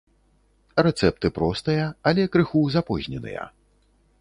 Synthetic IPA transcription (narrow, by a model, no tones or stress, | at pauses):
rɛt̪sɛp̚t̪ɨpɾɔst̪ɐjɐalʲɛkɾɨxuzapɔzʲnʲɛnɨ̰jɐ̰